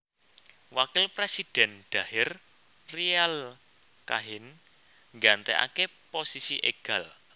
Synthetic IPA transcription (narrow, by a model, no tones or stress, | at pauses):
wakɪlpɾesid̥ɛ̤nɖ̪̥a̤hɪr | rial | kaɦɪn | ŋɡant̪ɛʔa̰keposisiʔḛɡ̥a̤l